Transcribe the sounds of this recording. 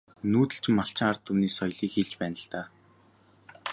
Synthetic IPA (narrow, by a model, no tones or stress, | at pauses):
nuːt̪ɘ̆ɬt͡ɕʰɪ̆mːaɬt͡ɕʰɪ̆ŋart̪ʰːumniːsɔjɮiːkxeɮt͡ɕpæːnə̆ɬt̪aː